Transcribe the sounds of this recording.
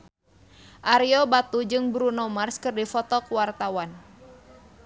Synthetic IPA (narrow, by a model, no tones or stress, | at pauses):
ʔaɾiɔbat̪ud͡ʒɨŋbɾunɔmarskɨrdifɔt̪ɔkuwart̪awan